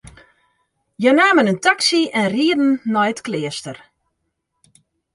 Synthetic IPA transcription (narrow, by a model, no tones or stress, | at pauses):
jənaːmənəntaksiɛnriədn̩ːɔjətklɪəstər